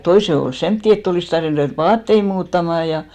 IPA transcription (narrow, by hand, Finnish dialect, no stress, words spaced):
toise ol semtːi etː oliˑs tɑrʋin ruʋeˑt ʋɑːtːei muːtːɑmɑˑ jɑ